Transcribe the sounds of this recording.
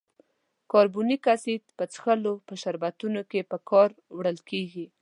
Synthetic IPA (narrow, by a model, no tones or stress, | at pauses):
kɑɾbunikasit̪pət͡sxəlopəʃaɾbat̪unokepəkʰɑɾwɽəlkeɡi